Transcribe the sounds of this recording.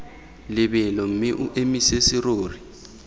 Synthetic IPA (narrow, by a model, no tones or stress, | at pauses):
lɪɓɛlɔŋ̩miʔuʔemisesiroːri